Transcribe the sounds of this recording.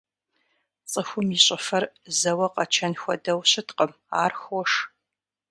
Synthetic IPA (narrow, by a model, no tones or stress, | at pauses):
t͡sʼəxʷʊmiɕʼɐfɐrzɐwɐqɐt͡ʃʰɐnxʷɔdɐwɕɪtqəm | aːrxɔʂ